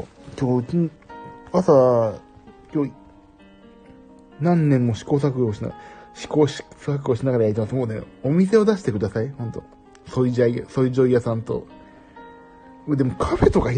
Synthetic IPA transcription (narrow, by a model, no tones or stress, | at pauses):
kʲoːkʲi | asa | kʲoː | nãnːẽmːo̞ɕi̥ko̞ːs̬akɯoɕina̰ɕi̥koːɕsak̬ɯ̟o̞ɕinaɡaɾajaɾit̪emasmoːne | o̞mʲise̞o̞d̪aɕi̥t̪e̞kɯ̟d̪asainãnt̪o̞̰ | so̞id͡ʑaso̞id͡ʑo̞ijasãnt̪o̞̰ | d̪e̞mo̞kʰafe̞t̪o̞kai